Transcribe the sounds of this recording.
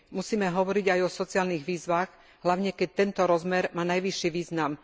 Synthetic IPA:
musiːmɛɦɔʋɔɾiɟajɔsɔt͡siaːlniɣʋiːzʋaːɣ | ɦlaʊɲɛkɛc̚t̪ɛnt̪ɔɾɔzmɛɾmaːnajʋiʃːiʋiːznam

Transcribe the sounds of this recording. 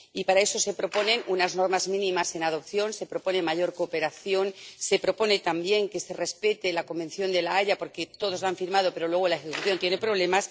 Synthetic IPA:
ipaɾae̞so̞se̞pɾo̞po̞ne̞nunazno̞ɾmazmĩnĩmase̞nað̞o̞pθjo̞nse̞pɾo̞po̞ne̞maʝo̞ɾko̞ːpeɾaθjo̞nse̞pɾo̞po̞ne̞t̪ambje̞ŋke̞se̞re̞spe̞t̪e̞lako̞mbe̞nθjo̞nd̪e̞laaʎapo̞ɾke̞t̪o̞ð̞o̞zlaɱfiɾmað̞o̞pe̞ɾo̞lwe̞ɣ̞o̞laexekuθjo̞nt̪jene̞pɾo̞βle̞mas

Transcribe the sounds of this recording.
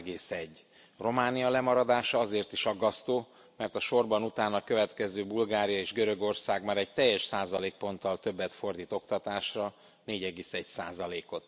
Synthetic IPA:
ɡeːsɛɟː | ro̞maːnijɒlɛmɒɾɒd̪aːʃɒɒzeːrt̪iʃɒɡːɒst̪oː | mɛrt̪ɒʃo̞rbɒnut̪aːnɒkøvɛt̪kɛzøːbulɡaːɾijɒeːʒɡøɾø̞ɡo̞rsaːɡmaːɾɛɟ̚t̪ɛjːɛʃsaːzɒleːk̚po̞nt̪ːɒlt̪ø̞bːɛt̪fo̞rd̪iːt̪o̞kt̪ɒt̪aːʃrɒ | neːɟɛɡeːsɛɟsa̰ːzɒleːko̞t̪

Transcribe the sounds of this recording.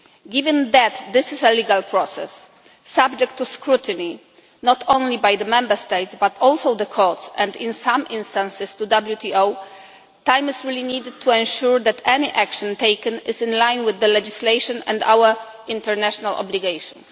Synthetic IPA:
ɡivɛ̃nd̪æt̪d̪ɪsɪsɛliɡalpʰɹɔsɛ̰sː | ab̚d͡ʒɛk̚t̪ʰːuskɾut̪ɨni | nɔt̪ʰõnlibajd̪əmɛ̃mbəst̪ejtsbat̪ʰɔlsowd̪əkʰɔt̪sɛ̃nd̪ɪ̃nsãmʔɪ̃nst̪ãnsɪst̪ud̪abljut̪ʰiow | t̪ãjmɪzɹilinid̪ɪd̚t̪ʰːuɛ̃nʃuɹd̪ɛt̪ʰɛniʔakʃɔ̃nt̪ejkɛ̃nɪsɨ̃nlãjnwɪðːəlɛd͡ʒislejʃɔ̃nɛ̰̃nd̪a̰wə | ĩnt̪ɛɹnaʃɔnalʔɔ̰bliɡejʃɔ̃ns

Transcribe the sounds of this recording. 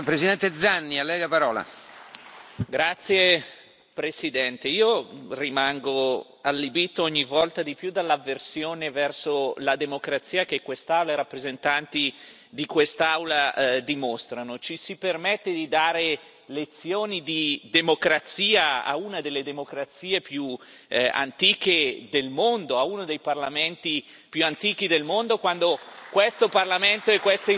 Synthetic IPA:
pɾesid̪ɛnt̪ed̪zanːialːɛjlapaɾɔːla̰ | ɡɾat̪sːje | pɾesid̪ɛnt̪eiːorimaŋɡo | alːibit̪ːoɔɲːivɔlt̪ad̪ipjud̪alːavːersjoːnevɛrsolad̪emokɾat̪siːakekːwest̪awlaiɾapːɾezent̪ant̪i | d̪ikwest̪awlad̪imost̪ɾanot͡ʃisipermɛt̪ːed̪id̪aːɾe | let̪sːjoːnid̪id̪emokɾat̪siːaa̰unad̪elːed̪emokɾat̪siːepju | a̰nt̪iːked̪elmond̪oaunod̪ejparlament̪i | pjuant̪iːk̟id̪elmond̪okwand̪okwest̪oparlament̪oekːwest̪e

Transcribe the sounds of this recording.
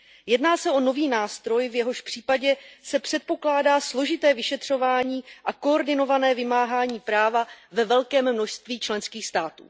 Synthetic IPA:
jɛdnaːsɛʔo̞no̞viːnaːst̪ɾo̞jvjɛɦo̞ʃpr̥iːpaɟɛsɛpr̥ɛt̪̚po̞klaːdaːslo̞ʒɪt̪ɛːvɪʃɛt̪r̝̥o̞vaːɲiːʔako̞oɾdɪno̞vanɛːvɪmaːɦaːɲiːpɾaːvavɛvɛlkɛːmːno̞ʃst̪viːt͡ʃlɛnskiːxst̪aːt̪ṵː

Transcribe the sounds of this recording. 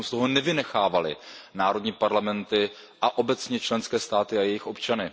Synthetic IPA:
mst̪o̞ɦonɛvɪnɛxaːvalɪ̰naːɾo̞dɲiːpaɾlamɛnt̪ɪ | ʔaʔo̞bɛt͡sɲɛt͡ʃlɛnskɛːst̪aːt̪ɪajɛjɪxʔo̞pt͡ʃanɪ

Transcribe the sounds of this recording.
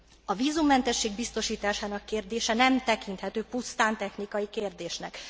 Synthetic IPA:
ɒviːzumːɛnt̪ɛʃːeːɡbist̪o̞ʃiːt̪aːʃaːnɒkːeːrd̪eːʃɛnɛmt̪ɛkint̪hɛt̪øːpust̪aːnt̪ɛxnikɒjikeːrd̪eːʃnɛk

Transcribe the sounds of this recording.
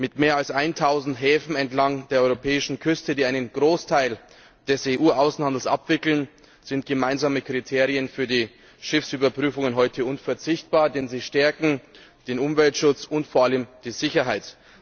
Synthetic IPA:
mɪtmeːɐalsʔaɪntʰaʊzn̩tɦɛːfn̩ɛntlaŋd̥eːɐɔʏʁopʰɛːɪʃn̩kʰʏstədiːaɪnənɡ̥ʁoːstʰaɪl | d̥ɛseʔuːʔaʊsn̩handl̩sʔa̰pv̥ɪkl̩n | z̥ɪnt̚ɡ̥əmaɪnzaːməkʁ̥itʰeːʁiənfyːɐdiː | ʃɪfsʔyːbɐpʁ̥yːfʊŋənɦɔʏtʰəʊnfɛɐt͡sɪçt̚b̥aːɐdɛnziːʃtɛɐkŋ̩d̥eːnʊmvɛltʃʊt͡sʊntfoːɐʔaləmd̥iːzɪçɐɦaɪt

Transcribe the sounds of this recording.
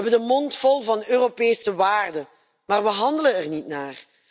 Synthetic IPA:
ɛbədəmɔntfɔlˠvɑnøːropeːsəʋaːrdə | maːrʋəɦɑndələnɛrnitnaːr

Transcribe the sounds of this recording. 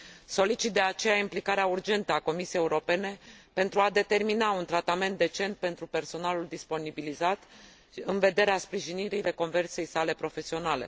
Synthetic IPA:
so̞lit͡ʃit̪̚d̪e̞at͡ʃe̞jaimplikaɾeaurd͡ʒe̞nt̪əako̞misiejeuɾo̞pe̞ne̞pe̞nt̪ɾuad̪e̞t̪e̞rminaunt̪ɾat̪ame̞nt̪̚d̪e̞t͡ʃe̞nt̪̚pe̞nt̪ɾupe̞rso̞naluld̪ispo̞nibilizat̪ | ɨnve̞d̪e̞ɾeaspɾiʒiniɾijle̞ko̞nve̞rt̪se̞jsale̞pɾo̞fe̞sio̞nale̞̰

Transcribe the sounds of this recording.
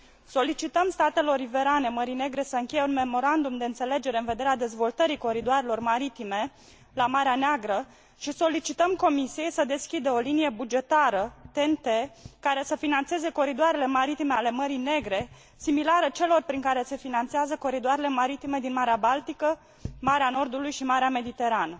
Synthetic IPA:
so̞lit͡ʃit̪əmst̪at̪e̞lo̞ɾive̞ɾane̞məɾine̞ɡɾe̞səɨŋkʲe̞jeunme̞mo̞ɾand̪umd̪e̞ɨnt̪se̞le̞d͡ʒe̞ɾeɨnve̞d̪eɾead̪e̞zvo̞lt̪əɾiko̞ɾid̪oaɾe̞lo̞rmaɾit̪ime̞ | lamaɾeaneaɡɾə | ʃiso̞lit͡ʃit̪əmko̞misije̞jsəd̪e̞skʲid̪əo̞linije̞bud͡ʒe̞t̪aɾət̪e̞nt̪ekaɾe̞səfinant̪se̞ze̞ko̞ɾid̪oaɾe̞le̞maɾit̪ime̞ale̞məɾijne̞ɡɾe̞ | similaɾət͡ʃe̞lo̞rpɾiŋkaɾe̞se̞finant̪seazəko̞ɾid̪oaɾe̞le̞maɾit̪ime̞d̪inmaɾeabalt̪ikə | maɾeano̞rd̪ulujʃimaɾeame̞d̪it̪e̞ɾanə

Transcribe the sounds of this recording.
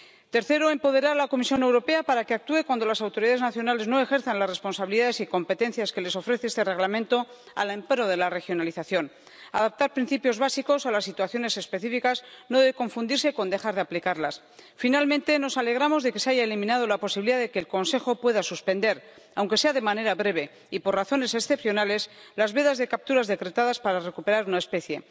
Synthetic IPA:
t̪e̞ɾθe̞ɾo̞empo̞ðe̞ɾaɾlako̞misjo̞ne̞wɾo̞pe̞apaɾakeak̚t̪ue̞kwand̪o̞lasawt̪o̞ɾiðaðe̞znaθjo̞nale̞zno̞e̞xe̞ɾθanlasre̞spo̞nsaβiliðaðe̞siko̞mpe̞t̪e̞nθjaske̞le̞so̞fɾe̞θe̞est̪e̞re̞ɣlamẽnt̪o̞ | a̰lempeɾo̞ð̞e̞lare̞xjo̞naliθaθjo̞n | aðap̚t̪aɾpɾin̟θipjozβasiko̞salasːit̪waθjo̞ne̞se̞spe̞θifikasnoðeeko̞ɱfund̪iɾse̞ko̞nd̪e̞xaɾðeaplikaɾlas | finalmẽnt̪e̞no̞sale̞ɣɾamo̞zðe̞ke̞seaʝaelimĩnað̞o̞lapo̞siβliðaðe̞ke̞ːlko̞nse̞xo̞pwe̞ðasuspe̞nd̪e̞ɾ | awŋkese̞aðe̞mane̞ɾaβɾe̞β̞e̞ | ipo̞raθo̞ne̞sesθe̞pθjo̞nale̞slazβe̞ðazðe̞kap̚t̪uɾazðe̞kɾe̞t̪aðaspaɾare̞kupe̞ɾaɾunae̞spe̞θje̞

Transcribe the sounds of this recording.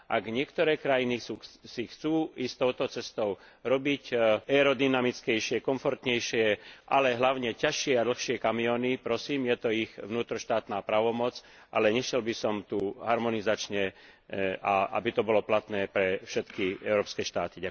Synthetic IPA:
ʔaɡɲɪɛkt̪ɔɾɛːkɾajiniusixt͡suːist̪ɔʊt̪ɔt͡sɛst̪ɔʊ | ɾɔbicɛɾɔd̪inamit͡skɛjʃɪɛkɔɱfɔɾt̪ɲɛjʃɪɛʔa̰lɛɦlaʊɲɛcaʃɪɛad̪l̩xʃɪɛkamiɔːnipɾɔsiːmjɛt̪ɔiɣʋnuːt̪ɾɔʃt̪aːt̪naːpɾaːʋɔmɔt͡s | ʔalɛɲɛʃɛlbisɔmt̪uːɦaɾmɔnizat͡ʃɲɛ | aʔa̰bit̪ɔbɔlɔplat̪nɛːpɾɛfʃɛt̪kiɛʊɾɔːpskɛːʃt̪a̰ːt̪iɟak

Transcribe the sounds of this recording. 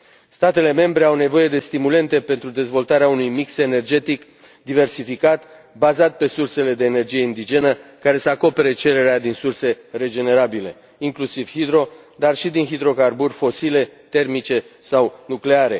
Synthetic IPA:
st̪at̪e̞le̞me̞mbɾe̞awne̞vo̞je̞d̪e̞st̪imule̞nt̪e̞pe̞nt̪ɾud̪e̞zvo̞lt̪aɾeaunujmikse̞ne̞rd͡ʒe̞t̪ik | d̪ive̞rsifikat̪ | bazat̪̚pe̞surse̞le̞d̪e̞ːne̞rd͡ʒije̞ind̪id͡ʒe̞nəkaɾe̞səako̞pe̞ɾet͡ʃe̞ɾe̞ɾead̪insurse̞re̞d͡ʒe̞ne̞ɾabile̞̰ | iŋklusiv̥hid̪ɾo̞ | d̪arʃid̪inɦid̪ɾo̞karburfo̞sile̞t̪e̞rmit͡ʃe̞sawnukle̞aɾe̞̰

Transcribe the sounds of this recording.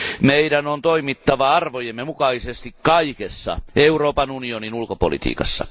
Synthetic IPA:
meidænont̪oimit̪ːɑʋɑɑrʋojemːemukɑisest̪ikkɑikesːɑ̰euroːpɑnunioninulkopo̰lḭt̪ḭːkɑsːɑ̰

